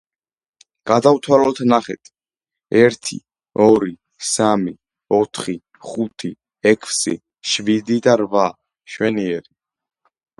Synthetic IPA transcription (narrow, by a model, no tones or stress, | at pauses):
ɡ̥ad̪avt̪ʰwalɔlt̪ʰnaχɛ̰t̪ʰi̥ | ɛɾt̪ʰḭ | ɔɾi | sami | ɔt̪ʰχi | χut̪ʰi | ɛkʰsḭ | ʃvid̪id̪aɾva | ʃwɛniɛɾi